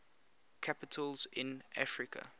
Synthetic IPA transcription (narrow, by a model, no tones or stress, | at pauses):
kʰapɪtʰəlzɪ̃nʔafɹɪkʰə̰